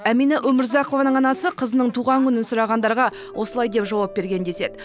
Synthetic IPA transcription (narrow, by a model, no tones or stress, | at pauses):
æminaʔɵmɪɾzɑqo̞vɑnəɴɑnɑsəqʰəzənəɴt̪ʰuʁɑŋkʲʰʏnɪnsʊɾɑʁɑnd̪ɑɾʁɑ | wʔo̞səlˠɑjd̪e̞pʒɑwɑp̚be̞ɾɡʲe̞nd̪e̞se̞d̪ɪ